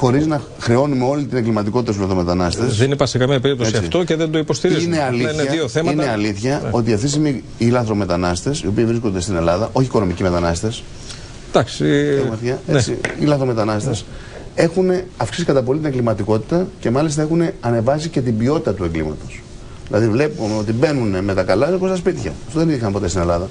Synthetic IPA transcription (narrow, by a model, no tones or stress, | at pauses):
xo̞ɾiznɐ | xɾe̞o̞numeo̞lit̪ine̞ŋɡlimɐt̪iko̞t̪it̪ɐst̪ulɐθɾo̞me̞t̪ɐnɐst̪esðenipɐɾsekɐmiɐpeɾip̚t̪oesisɐift̪o̞ceðend̪oipo̞st̪iɾizineɐlineioθemɐineɐliθçɐʔo̞t̪iɐft̪isimi | ilɐθɾo̞me̞t̪ɐnɐst̪e̞sio̞piːvɾisko̞nd̪e̞st̪ine̞lɐðɐʔo̞çiːko̞no̞micime̞t̪ɐnɐst̪e̞s | d̪̥ɐksiɐɣmɐt̪çɐet͡sḭilɐθɾo̞me̞t̪ɐnɐst̪es | e̞xuneɐfksisi̥kɐt̪ɐp̬o̞lit̪ine̞ŋɡlimɐt̪iko̞t̪i̥t̪ɐce̞mɐlist̪ɐe̞xune̞ɐne̞vɐsice̞t̪ibio̞t̪it̪ɐt̪ue̞ŋɡlḭmɐt̪o̞s | ðilɐðivle̞pumeo̞t̪ibe̞nuneme̞t̪ɐkɐlɐikost̪ɐspit̪çɐ̰ɐft̪oðeniðixɐmpo̞t̪est̪ine̞lɐðɐ